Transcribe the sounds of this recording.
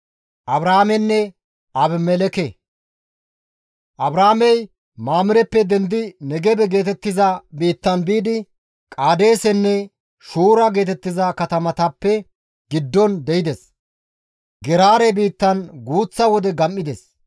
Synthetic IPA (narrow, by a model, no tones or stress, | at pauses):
ʔɐbɾaːmɛnːɛ | ɐbmɛlɛkɛ | ʔɐbɾaːmɛj | maːmɪɾɛpːɛd̪ɛnd̪ɪnɛɡɛbɛɡe̞ːt̪ɛt̪ːɪzɐbiːt̪ːɐnbiːd̪ɪ | kʼaːd̪e̞ːsɛnːɛ | ʃuːɾɐɡe̞ːt̪ɛt̪ːɪzɐkɐt̪ɐmɐt̪ɐpːɛ | ɡɪd̪ːɔnd̪ɛjɪd̪ɛs | ɡɛɾaːɾɛbiːt̪ːɐnɡuːt͡sːɐwɔd̪ɛɡɐmːɪd̪ɛs